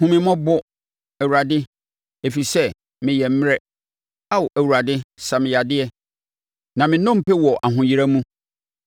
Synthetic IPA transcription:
hʊ̃˦mɪ̃˨mɔ̃˦bɔ˦ | æ˨wu˨ɾa˨dɪ˦ | e˨fi˨sɛ˦ | mɪ̃˨jɛ˨m̩˦m˦ɾɛ˦ | a˦wʔæ˨wu˨a˨dɪ˦sa˨mɪ̃˨ja˨dɪ˦ɛ˦ | nã˨mɪ̃˨nɔ̃˦m̩˨pɛ˦wɔ˨ʔa˨ɦʊ̃˨ji˦ɾa˦mũ˦

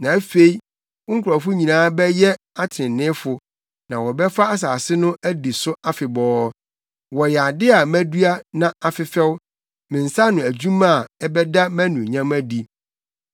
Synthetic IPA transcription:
nã˨æ˦fe˦i˦ | ŋ̩˦kʰɾɔ˨fʊ˦ɲĩ˨nãː˦bɛ˦jɛ˦ | a˦tʰɪ˨ɪ̃˨nɪ̃˦fʊ˨ | nã˨wɔ˨bɛ˦fa˦a˦s̬aː˨sɪ˦nʊ̃˦ʔæ˦di˨sʊ˦a˦fɪ˨bɔː˦ | wɔ˨jɛ˨a˨dɪ˦a˨mæ̃˦du˦a˦nã˨a˨fɪ˨fɛ˦wʊ˦ | mɪ̃˨n̩˨sa˦nʊ̃˨æ˨d͡ʑũ˦mã˦˨ɛ˦bɛ˦da˦mæ̃˦nũ˨ɲã˦mæ˦di˨

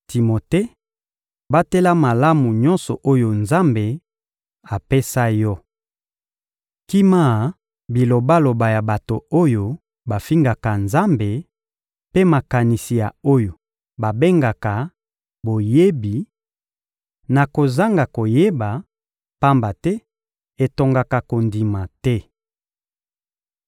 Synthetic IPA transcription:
ti˨mo˨te˦ | ba˦te˦la˦ma˨la˦mu˨ɲɔ˦nsɔ˨ʔo˦jo˨nza˦mbe˨ | a˨pe˦sa˦jɔ˦ | ki˦ma˦˨ | bi˨lo˨ba˦lo˨ba˨ja˨ba˨to˨o˦jo˦ | ba˨fi˦ŋɡa˨ka˨nza˦mbe˨ | pe˦ma˨ka˨ni˨si˨ja˨o˦jo˨ | ba˨be˦ŋɡa˨ka˨ | bo˨je˦bi˨ | na˨ko˨za˦ŋɡa˨ko˨je˦ba˨ | pa˦mba˨tɛ˦ | e˨to˨ŋɡa˨ka˨ko˨ndi˨ma˨tɛ˦

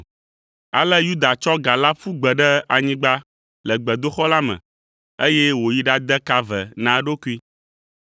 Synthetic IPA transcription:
a̰˨lə˦ju˦d̪a˨t͡ʃɔ˦ɡa˨la˦fu˦ɡ͡bɛ˨ɖə˦a˨ɲĩ˦ɡ͡ba˦ | lə˨ɡ͡bɛ˨d̪o˦xɔ˦la˦mə̰̃˨ | e˦je˦wo˨ji˦ɖa˦d̪ə˦ka˦vɛ̰˨nã˨ɖo˦ku˦i˦

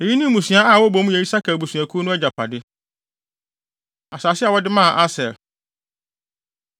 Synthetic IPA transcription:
e˨ji˦nĩ˦mũ˨sɥ̃a˦a˦˨wɔ˦bo˦m˦ɛ˨i˦sa˦kʰɛ˨bu˨sɥ̃æ˨kʰu˦nʊ̃˦ɛ˦d͡ʑa˨pʰa̰˨dɪ˦ | a˨saː˨sɪ˦a˨wɔ˦dɪ˦mã˦˨ʔa˦sɛ˨l

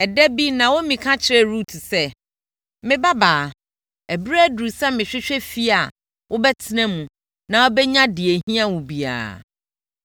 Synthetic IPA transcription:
ɛ˨dɛ˦bi˦nã˨wo˦mĩ˨kʰã˦t͡ɕʰɪ˦ɾɛ˦˨ɾu˦˨tʰsɛ˦ | mɪ̃˦ba˦baː˨ | æ˨bɾæ˦du˨sɛ˦mɪ̃˨ɕᶣɪ˦ɕᶣɛ˦fi˦a˨ | wʔʊ˦bɛ˦tʰɪ˦nɛ̃˦mũ˨ | nã˨wɔ˦bɛ˦ɲã˦dɪ˨e˨ɦĩ˦a˦wũ˨bi˨a̰ː˨

